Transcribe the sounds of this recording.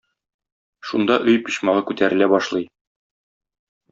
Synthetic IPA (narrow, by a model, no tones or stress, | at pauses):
ʃund̪ɑʔɵjpiɕmɑʁɤkʉt̪æɾɘ̆læbɒʃlˠɤj